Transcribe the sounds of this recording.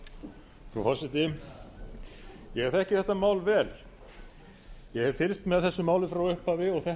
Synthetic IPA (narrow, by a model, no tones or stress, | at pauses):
fɾa̰wfɔsɪt̪ɪ | jɛɛɾθɛhcɪθɛht̪ːamaːwlvɛːl | jɛhɛv̥fɪlst̪mɛðθɛsːʏmaːwlɪfɾawʏhpavɪɔɣθɛ